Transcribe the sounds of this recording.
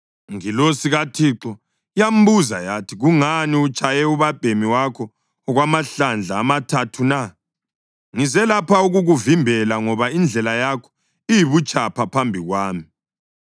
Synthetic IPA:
ŋilosiɣatʰiǁɔ | jam̩buzajatʰiɣuŋaniut͡ʃʼajɛuβab̥ʱemiwakʰɔː | ɣwamaɬand͡ɮʱaːmatʰatʰuna | ŋizɛlapʰauɣuɣuvimbʱɛlaŋɔβaind͡ɮʱɛlajakʰɔ̥ | ijiβut͡ʃʼapʰapʰambʱiɣwaːmi

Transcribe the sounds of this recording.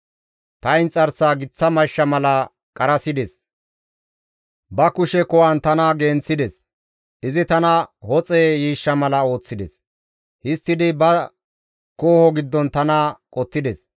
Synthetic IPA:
t̪ɐjnt͡sʼɐɾsaːɡɪt͡sːɐmɐʃːɐmɐlɐ | kʼɐɾɐsɪd̪ɛs | bɐkʊʃɛkɔwɐnt̪ɐnaɡeːnt͡sːɪd̪ɛs | ʔɪzɪt̪ɐnɐhɔt͡sʼeːjiːʃːɐmɐlɐo̞ːt͡sːɪd̪ɛ̰s | hɪst̪ːɪd̪ɪbɐ | koːhɔɡɪd̪ːɔnt̪ɐnakʼɔt̪ːɪd̪ɛs

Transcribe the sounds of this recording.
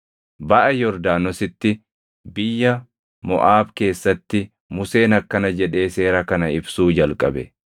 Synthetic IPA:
bɐʔɐjɔɾd̪aːnɔsɪt̪ːɪ | bɪjːɐ | mɔ̰ʔaːbke̞ːsːɐt̪ːɪ | mʊse̞ːnɐkːɐnɐd͡ʒɛᶑe̞ːse̞ːɾɐkɐnɐɪbsuːd͡ʒɐlkʼɐ̰bɛ

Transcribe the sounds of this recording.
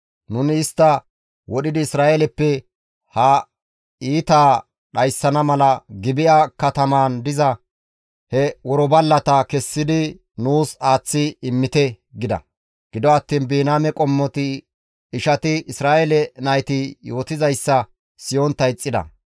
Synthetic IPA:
nʊnɪːst̪ːɐ | wɔɗɪd̪ɪːsɾaːʔɛlɛpːɛ | hɐ | iːt̪aː | ɗɐjsːɐnɐmɐlɐɡɪbɪʔakɐt̪ɐmaːnd̪ɪzɐ | hɛwɔɾɔbɐlːɐt̪ɐkɛsːɪd̪ɪ | nuːsaːt͡sːɪɪmːɪt̪ɛ | ɡɪd̪ɐ̰ | ɡ̥ɪd̪ɔɐt̪ːiːnbiːnaːmɛkʼɔmːɔt̪ɪ | ɪʃɐt̪ɪɪsɾaːʔɛlɛnɐjt̪ɪjo̞ːt̪ɪzɐjsːɐ | sɪjont̪ɐjt͡sʼːɪd̪ɐ̰

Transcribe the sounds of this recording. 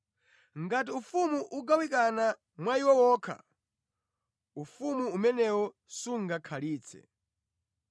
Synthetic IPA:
ŋɡat̬iufumuʔuɡawikana | mwaiwɔwɔːkʰa̰ | ufumuːmɛnɛwɔ | suŋɡakʰaliːt͡sʰɛ̰

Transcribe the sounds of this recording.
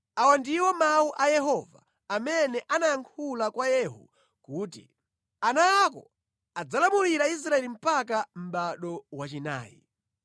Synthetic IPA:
awandiwɔmauʔajɛɦɔva̰ː | mɛnɛʔanajaŋkʰulakwajɛɦṵ | kuːtḭ | anaakɔ̰ | ad͡zalamuɾiɾais̬ɾaɛlim̩pak̬am̩ɓaɗɔwat͡ʃina̰ːjḭ

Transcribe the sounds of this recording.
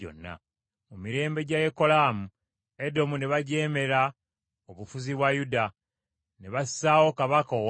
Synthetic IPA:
o̰nːa̰ | mumiɾe̞ːmbe̞ɟaje̞ko̞laːmu | edo̞muneβaɟeːme̞ɾa | oβufuziβwajuda | neβassaːwo̞kaβakow

